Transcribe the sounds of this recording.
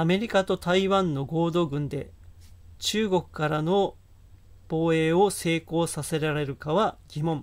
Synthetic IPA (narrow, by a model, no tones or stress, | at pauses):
ame̞ɾʲikat̪o̞t̪aiβãnːo̞ɡo̞ːd̪o̞ːɡɯ̟̃nd̪e̞̰ | t͡ɕɨːɡo̞kɯ̟̥kaɾano̞ | b̥o̞ːe̞ːo̞se̞ːko̞ːsase̞ɾaɾe̞ɾɯ̟kaβaɡʲimõ̞ɴ